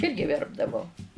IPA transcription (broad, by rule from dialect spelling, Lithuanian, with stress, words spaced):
ˈɪrʲɡʲɪ ˈʋʲɛrbdɐʋɐʊ